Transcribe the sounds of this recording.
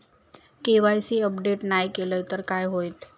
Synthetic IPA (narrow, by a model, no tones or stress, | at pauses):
keʋajsiəpɖeʈnajkeləjt̪əɾkajɦojt̪